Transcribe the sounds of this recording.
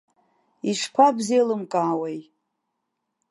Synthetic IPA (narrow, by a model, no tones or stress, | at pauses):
iʂkʷʰabzejlɨmkʼaːwej